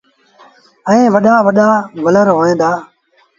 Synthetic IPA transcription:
ə̃ẽːʋəɗaːʋəɗaːʋələɾɦoːẽːnd̪aː

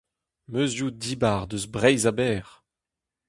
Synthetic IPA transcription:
møzjud̪ibaʁd̪øzbʁɛjzabɛːʁ

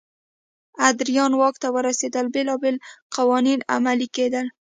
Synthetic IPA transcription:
ad̪ɾijɔnwɒkt̪awəɾased̪albelɔbelqawɒnina̰maliked̪an

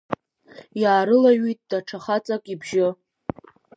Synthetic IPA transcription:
jaːɾɨlaɥitʼd̥aʈ͡ʂʰaχat͡sʼakʼibʒɪ

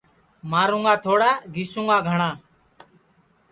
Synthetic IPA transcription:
maːɾũːŋɡaːt̪ʰoːɽaːɡʱiːsũːŋɡaːɡʱəɳãː

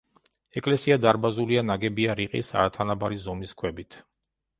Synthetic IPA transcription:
ɛkʼlɛsiad̪aɾbazulianaɡɛbiaɾiqʼḭsa̰ɾat̪ʰanabaɾizɔmiskʰwɛbit̪ʰ

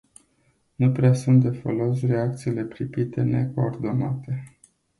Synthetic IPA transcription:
nupɾeasunt̪̚d̪e̞fo̰lo̞s̬re̞ak̚t̪siːle̞pɾipit̪e̞ne̞ko̞ːrd̪o̞nat̪e̞

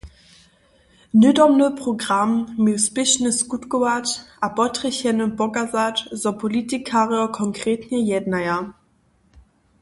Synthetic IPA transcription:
nødɔmnəpʁoɡʁamːesb̥ɪʃnəsɡ̥utɡowatʔabɔtʁəçɛnʊnb̥ɔɡazatzɔpʰolitikʰaːʁjɔkʰɔŋkʁ̥eːtʰnəjɛdnajɐ

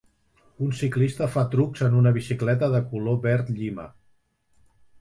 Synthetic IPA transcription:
unsiklist̪əfat̪ɾukzənunəβ̞isiklɛt̪əðəkuloβɛɾt̪ʎimə̰

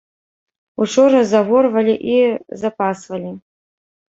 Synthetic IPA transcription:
uʈ͡ʂʰoɾɐzaʁʷorvɐlʲiʔizapʰasvɐlʲi

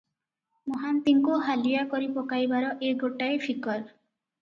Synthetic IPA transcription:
mɔɦant̪iŋkuɦalijakɔɾipɔkajbaɾɔʔeɡoʈaepʰikɔɾ

